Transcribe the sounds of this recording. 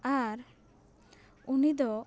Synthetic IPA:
aɾ | unid̪ɔ

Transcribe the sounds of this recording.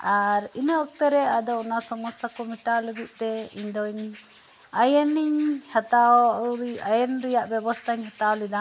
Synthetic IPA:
aɾinɔɔk̚t̪ɛɾɛad̪ɔʔnasɔmɔsakɔmiʈaluɡiʔ̚ˀt̪ɛiɲd̪ɔɲ | ajɛniɲhat̪aɾajɛnɾijaʔbɛbɔst̪ʰaiɲɦat̪aɔlid̪a

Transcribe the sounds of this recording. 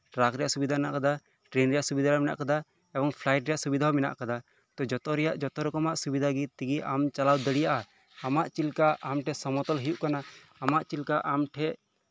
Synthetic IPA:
ɾakɾɛjaʔsubid̪ʱaɛnaʔkad̪a | ʈɾenɾɛjaʔsubid̪ʱaɾɔmɛna̰ʔkad̪a | ɛbɔŋpʰlajʈɾɛjaʔsubid̪ʱaɦɔmɛna̰ʔkad̪a | t̪ɔd͡ʒɔt̪ɔɾɛjaʔd͡ʒɔt̪ɔɾɔkɔmaʔsubid̪ʱaɡit̪iɡiʔamt͡ʃalawd̪əɽijaʔaː | maʔt͡ʃilkaʔamʈʰɛsɔmɔt̪ɔlɦijuʔkanaː | maʔt͡ʃilkaʔamʈʰɛʔ

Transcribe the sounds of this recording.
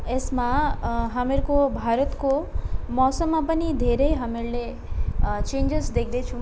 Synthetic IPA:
esmãɦəmeɾkobʱaɾət̪komɔsəmːãpənid̪ʱeɾejɦəmeɾle | t͡ʃẽnd͡ʒəsd̪ekʰd̪et͡ʃʰũ

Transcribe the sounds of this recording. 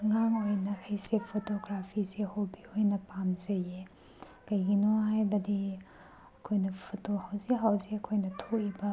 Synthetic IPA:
ŋaŋojnɐhejsepʰotoɡɾapʰisehowbiojnɐpamzɐje | kɐjɡinoɦajbɐdi | ɐkʰojnɐpʰotohawzeɦawzeɐkʰojnɐtʰoibɐ

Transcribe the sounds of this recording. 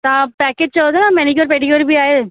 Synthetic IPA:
t̪ãpɛked͡ʑt͡ɕaot̪enamɛnikəɾpeːʈiɡɔɾibʱiaːe

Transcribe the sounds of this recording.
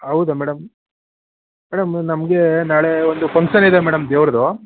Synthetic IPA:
ɦɐwd̪ɐmɛːɽɐm | mɛːɽɐmnɐmɡe̞naːɭe̞ond̪upɐŋkʃɐnid̪emɛːɽɐmd̪eːʋɾɐd̪o

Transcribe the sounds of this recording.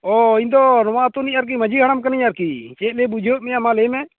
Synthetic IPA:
ɔind̪ɔnɔwaʔt̪uniɲaɾk̬iməd͡ʒiɡaɽ̃amkaniɲaɾkit͡ʃɛt̪̚lɛbud͡ʒʱeuʔ̚mɛjamalɛmɛ

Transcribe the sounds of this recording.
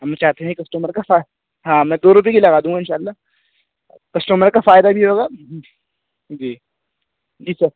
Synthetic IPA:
ɦɐmt͡ʃaːɦt̪eɦɛ̃kɐsʈuːməɾkafa | ɦãːmɛ̃ːd̪oːɾʊp̬jekilɐɡaːd̪ũːɡaɪnʃaːlːa | kɐsʈuːməɾkafaːjd̪abʱiɦoːɡaː | d͡ʒiː | d͡ʒiːsɐɾ

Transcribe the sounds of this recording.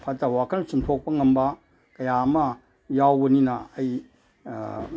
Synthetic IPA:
pʰɐtːɐwakʰɐlnɐsumtʰok̚pɐŋɐmbɐ | kɐjamɐ | jawbɐninɐːj

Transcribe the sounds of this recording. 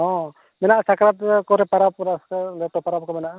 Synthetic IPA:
ɔ̃ | mɛnaʔsakɾat̪kɔɾɛpaɾap̚ɾaskalɛʈɔpaɾap̚kɔmɛnaʔa

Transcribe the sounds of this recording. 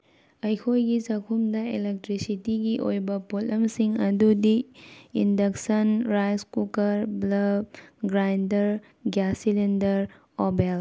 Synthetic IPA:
ɐjkʰojɡit͡ʃɐkʰumdɐelek̚tɾisitiɡiʔo̰jbɐpotːɐmsiŋɐdudiindɐksɐnɾajskukɐɾblɐb̚ɡɾajndɐɾ | ɡjasilendɐɾ | obel

